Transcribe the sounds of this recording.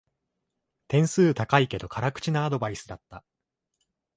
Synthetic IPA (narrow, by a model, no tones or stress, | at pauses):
t̪ẽ̞ɰ̃sɨːt̪akaike̞d̪o̞kʰaɾakɯ̟̥t͡ɕinaːd̪o̞baisɨd̪at̪ːa